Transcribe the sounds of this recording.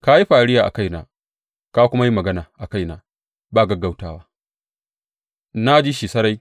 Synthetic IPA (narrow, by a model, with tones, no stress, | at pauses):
ka˦ji˦ɸa˨ɽɪ˦jaː˨ʔa̰˨ka˦jna̰ː˦ | ka˦kʷʊ˦ma˦ji˦mɐ˨ɡɐ˦naː˨ʔa˨ka˦jnaː˨ | baː˦˨ɡɐ˦ɡːa˦wtaː˦waː˦ | na˦d͡ʒi˦ʃiː˨sɐ˦ɾa˦j